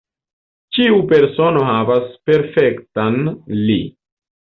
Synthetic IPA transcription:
t͡ʃiupe̞ɾso̞no̞ɦavaspe̞ɾfektanlḭ

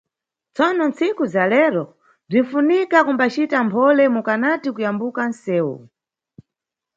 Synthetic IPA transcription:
t͡sɔnɔnt͡sʰikuzalɛɾɔ | b͡ʐin̩funikakumbat͡ʃitampʰɔlɛmukanatikujambukansɛːwṵ

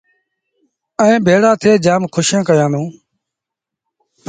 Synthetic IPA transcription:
əẽːbʱeːɽaːt̪ʰeːd͡ʒaːmkʰʊʃjãːkəjãːnd̪ũː

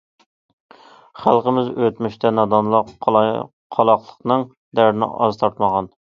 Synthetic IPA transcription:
χælˠqəmɪzøt̪myʃt̪ʰɛnɑd̪ɑnlˠ | qʰɑlˠɑqlˠəqnɨŋ | d̪æɾnɪ̰ʔɑ̰zt̪ʰɑɾt̪mɑʁɑn

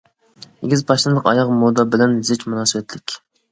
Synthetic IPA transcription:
eɡʲizpʰɑʃt̪ɨlˠəqɑ̰jɑqmod̪ɑbɪlɛnzɪt͡ʃmunɑːsɨbɛt̪lɪkʲ

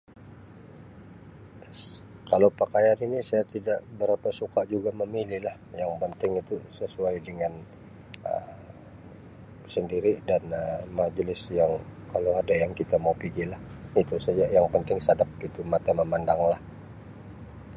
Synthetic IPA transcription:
kalowpəkajaninisajat̪idaʔbəɾapasukaʔd͡ʒuɡaməmililah | jaŋpənt̪ɪŋit̪usəsuajdəŋan | ə̰ | səndiɾidanəmad͡ʒlɪsjaŋkalowadajaŋkit̪amaupiɡilahit̪usad͡ʒajaŋpənt̪ɪŋsadap̚ɡit̪umat̪aməmandaŋlah

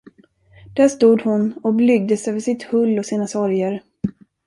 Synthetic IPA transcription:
d̪̥æːʂt̪uːd̪hʊnɔblʏɡ̚d̪əsøːvəʂɪt̪hɵlːɔsiːnasɔɾjəɾ

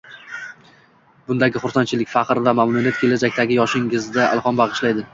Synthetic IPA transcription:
bʊnd̪aɡʲɪχʊɾsant͡ʃʰɪlɪkʲfɑqɾvamamnunijat̪̚kʲʰe̞lad͡ʒak̚ʲt̪aɡʲɪjɒʃɪŋɪzd̪aa̰lˠqɒnbɑʁɨʃlajd̪ɪ

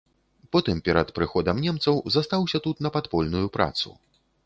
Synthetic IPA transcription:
pɔt̪ɨmpʲɛɾɐt̪pɾɨxɔd̪ɐmnʲɛmt̪sɐwzast̪awsʲɐt̪ut̪nɐpat̪pɔlʲnujupɾa̰t̪sṵ

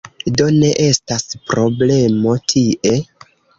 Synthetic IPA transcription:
do̞ne̞ʔe̞staspɾo̞ble̞mo̞tʰiʔe̞

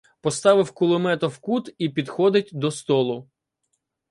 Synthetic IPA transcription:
pɔst̪ɑʋɪwkʊlˠɔmɛt̪ɔwkut̪ipʲid̪xɔd̪ɪt̚ʲd̪ɔst̪ɔlˠʊ

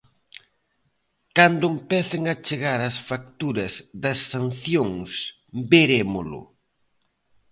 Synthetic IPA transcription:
kand̪ʊempɛθɪŋɐt͡ʃeɣaɾɐsfak̚t̪uɾɐzðɐsːanθjoŋs | beɾemʊlʊ̰

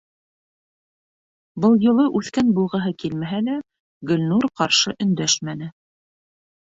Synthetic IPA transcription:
bɤlˠjŏlˠɤʔʉθkænbulˠʁɤ̆ɦɤkilmæɦælæ | ɡɵ̆lʲnuɾqɑɾʃɤʔɵ̆nd̪æʃmænɘ

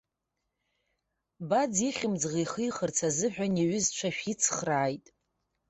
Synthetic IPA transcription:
bad͡ziχʲɪmd͡zʁijχɨjχərt͡sʰazɨħʷᶣaneɥʏzt͡ʃʷʰaʃᶣit͡sʰχraːjtʼ

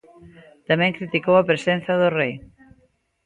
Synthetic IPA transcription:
t̪amẽŋkɾit̪ikowapɾesen̟θaðʊrej

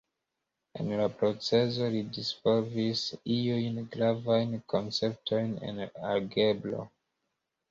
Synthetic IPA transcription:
ḛnlapɾo̞t͡se̞zo̞lidispovisiujnɡɾavajnkʰonse̞p̚tʰo̞jnḛnaɾɡe̞blo̞̰

